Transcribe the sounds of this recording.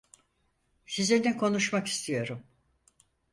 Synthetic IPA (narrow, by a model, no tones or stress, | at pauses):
sizlʲeɾinɛkʰo̞nuʃmaki̥st̪ʰijo̞ɾum